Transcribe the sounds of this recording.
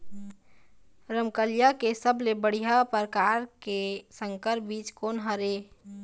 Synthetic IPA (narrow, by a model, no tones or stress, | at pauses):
ɾəmkəlijakesəblebəɽ̤ijapəɾkaːɾkesə̃ŋkəɾbiːt͡ʃkoːnɦəɾe